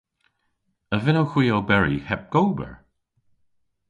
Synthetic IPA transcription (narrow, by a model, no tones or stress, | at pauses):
əvɪnowxwiːowbɛɹḭhɛp̚ɡ̥oːbə̰ɹ